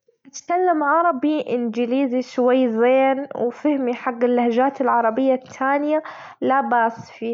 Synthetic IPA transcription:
ʔɪt̪kalːamʕɑɾˤɑbiʔɪnd͡ʒɪliːziʃwajːzeːnwfɪhmiħaɡːɪlːahd͡ʒaːt̪ɪlʕɑɾˤɑbɪjːat̪ʰːaːnɪja | labaːsfiː

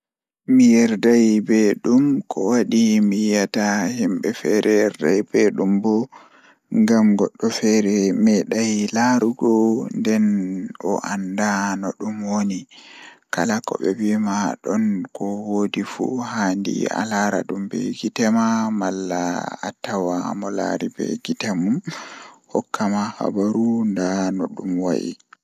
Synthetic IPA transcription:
mijɛɾdajbeɗumkʰɔwaɗimijatahimɓɛfɛɾɛjɛɾda̰jbeɗumbɔ | ŋɡamɡɔɗːɔfɛɾɛmɛɗajlaɾuɡɔndɛnʔɔ̰ʔandanɔɗumwonikalakɔ̰bɛwimaɗɔnkɔwodifṵhandḭa̰laɾa̰ɗumbɛ̰ɡitɛmamalːa̰atawamɔla̰ɾibɛ̰ɡitamumhɔ̰kːamaha̰baɾundanoɗumwa̰jḭ

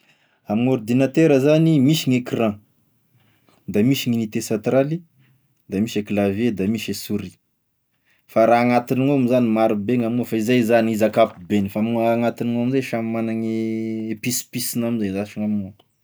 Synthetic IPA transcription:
amiŋuɾd̪inat̪eɾəzanimiʃiŋekirã | d̪amiʃiŋinit̪esãt̪ɾali | d̪amiʃeklaved̪amiʃesuɾi̥ | faɾaːŋat̪iniŋoamizanimaɾubeŋamiŋofaizajzaniizakapibenifaamiŋaŋat̪iniŋoamizaʃammanaŋeepispisinamizazaʃaŋamŋu

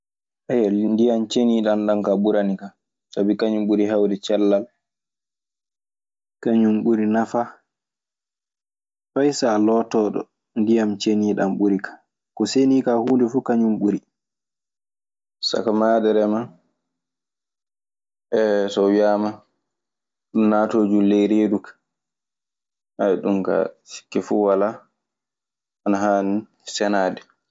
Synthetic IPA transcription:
ʔajandijamt͡ʃeniːɗanɗankaɓuɾanika | sabikaɲumɓuɾiɦawdɛt͡ʃɛlːal | kaɲumɓuɾinafa | fajsalɔtɔɗɔ̰ | ndijamt͡ʃeniːɗamɓuɾikʰḁ | kɔseniːkahuːndɛfukaɲumɓuɾi | sa̰kamaːdɛɾɛma | ʔɛsɔjaːma | ɗumnaːtoːd͡ʒulɛjɾedukḁ | ʔaɛɗumka̰ʃi̥kːɛfuwala | anaɦaːni | sɛnaːdɛ

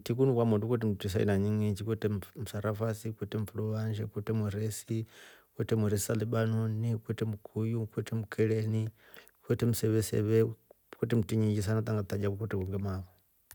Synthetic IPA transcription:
tik̬unukwamundukut̬ɛmutis̬aḭnaɲiŋit͡ʃikwutɛm̩saɾafasikwɛtɛm̩fulɔβanʃɛkutɛmuɾɛsikwɛtɛmuɾɛsi̥saliɓanunikwɛtɛmukʰujukwɛtɛmukʰɛlɛni | kwɛtɛmusɛβɛsɛ̰βɛ | kutɛm̩tiɲid͡ʒis̬anat̪aŋɡat̪ad͡ʒakukutɛkuŋɡɛmaβɔ

